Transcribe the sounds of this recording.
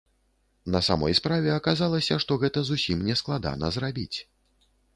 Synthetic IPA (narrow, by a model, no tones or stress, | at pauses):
nɐsamɔ̰jspɾavʲɛɐkazalˠɐsʲɐʂt̪ɔɣɛt̪ɐzusʲimnʲɛsklˠad̪a̰nɐ̰zɾabʲḭt͡sʲ